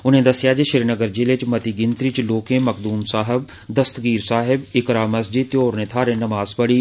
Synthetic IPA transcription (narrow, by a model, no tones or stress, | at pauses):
ʊnẽːd̪ɐsɪjaːd͡ʒeʃɪɾnəɡəɾd͡ʒɪlet͡ʃmɐt̪iɡɪnt̪ɾit͡ʃloːkẽmɐkd̪uːmsaːɦɪb | d̪ɐst̪ɡiːɾsaːɦɪbɪkɾaːmɐsd͡ʒit̪joːɾnẽːt̪ʰaːɾẽnɐmaːzpəɽiː